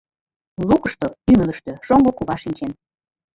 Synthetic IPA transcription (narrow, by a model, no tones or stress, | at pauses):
lukəʃt̪oymələ̆ʃt̪ø̆ʃoŋɡokuβɑʃinʲt͡ɕen